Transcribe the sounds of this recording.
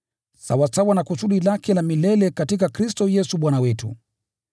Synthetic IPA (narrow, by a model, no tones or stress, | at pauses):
sa̰wasawanakusuɗilakɛlamilɛlɛkatikakɾistɔjɛsuɓwanawɛtṵ